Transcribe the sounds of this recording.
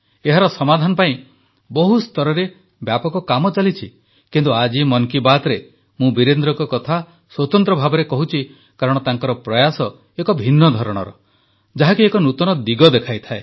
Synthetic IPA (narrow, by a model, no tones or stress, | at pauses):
eɦaɾɔsɔmad̪ʱanɔpaĩ | bɔɦust̪ɔɾɔɾe | bjapɔkɔkamɔt͡ʃalit͡ʃʰi | kint̪uad͡ʒimɔŋkibat̪ɾe | mũbiɾend̪ɾɔŋkɔkɔt̪ʰa | swɔt̪ɔnt̪ɾɔbʱabɔɾekɔɦut͡ʃʰi | kaɾɔɽ̃ɔt̪aŋkɔɾɔpɾɔjasɔ | ekɔbʱinːɔd̪ʱɔɾɔɽ̃ɔ̰ɾɔ | d͡ʒaɦakiekɔnut̪ɔñɔd̪iɡɔd̪ekʰajt̪ʰae